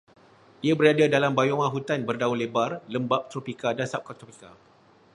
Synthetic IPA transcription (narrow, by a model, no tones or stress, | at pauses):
diabəɾadadalambajoŋãɦut̪anbərdaulebarləmbap̚t̪ɾopikadansap̚kat̪ɾopika